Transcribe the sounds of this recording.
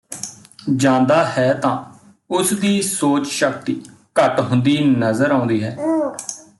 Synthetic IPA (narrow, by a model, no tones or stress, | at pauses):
d͡ʒãːnd̪aːhɛːt̪ãː | ʊsd̪iːsoːt͡ʃʃək̚t̪iː | kəʈɦʊnd̪iːnəzəɾãːnd̪iːɦɛː